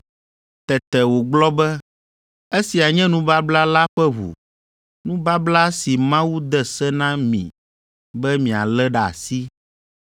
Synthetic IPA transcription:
t̪ɛ˨t̪ɛ˨wo˨ɡ͡blɔ˦bɛ˦ | e˦si˨a˨ɲɛ̃˦nũ˦ba˦bla˦la˦ɸɛ˦βṵ˨ | nũ˦ba˦bla˦si˨mã˦wu˦d̪ɛ˦sɛ˦nã˦mḭ̃˨ | bɛ˦mĩ˨a̰˨lɛ˦ɖa̰˨si˦

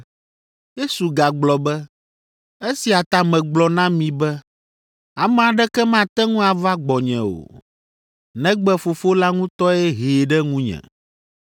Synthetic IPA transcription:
je˦su˨ɡa˨ɡ͡blɔ˨bɛ˦ | e˦si˨a˨t̪a˨mɛ̃˨ɡ͡blɔ˨nã˦mĩ˨bɛ˦ | a˨mɛ̃˨a˨ɖɛ˦kɛ˦mã˦t̪ɛ˦ŋũ˦a˨va˦ɡ͡bɔ˨ɲɛ̰̃˨o̰˨ | nɛ̃˦ɡ͡bɛ˦fo˨fo˦la˦ŋũ˦t̪ɔ˦ɛ˦ɦe˨ɖɛ˦ŋũ˦ɲɛ̰̃˨

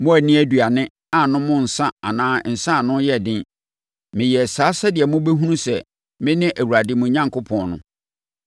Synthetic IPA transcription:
mʊ̃˦æ˨nɪ̃˦æ˦dɥa˨nɪ̃˦ | a˨nʊ̃˦mʊ̃˦n̩˨sã˦a˨nãː˦˨n̩˨sã˦˨nʊ̃˦jɛ˦˨dɪ̃˦n | mɪ̃˨jɛ˨saː˨˦sa˦dɪ˨ɛ˨mʊ̃˦bɛ˦ɦũ˦nũ˦sɛ˨ | mɪ̃˦nɪ̃˦ʔæ˨wu˨ɾa˨dɪ˦mʊ̃˨˦ɲã˦ŋkʰʊ˦pʰɔ̃˨nʊ̰̃˦

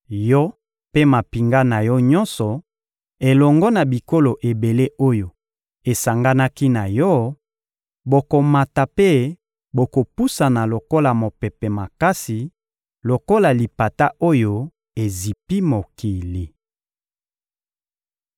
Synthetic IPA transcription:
jɔ˦ | pe˦ma˨pi˨ŋɡa˦na˨jɔ˦ɲɔ˦nsɔ˨ | e˨lɔ˨ŋɡɔ˦na˨bi˨ko˦lo˨ʔe˨be˨le˦ʔo˦jo˨ | e˨sa˨ŋɡa˦na˦ki˦na˨jɔ˦ | bo˨ko˨ma˨ta˨pe˦ | bo˨ko˨pu˦sa˨na˨lo˨ko˦la˨mo˨pɛ˨pɛ˨ma˨ka˦si˨ | lo˨ko˦la˨li˨pa˨ta˦ʔo˦jo˦ | e˨zi˨pi˦mo˨ki˨li˨

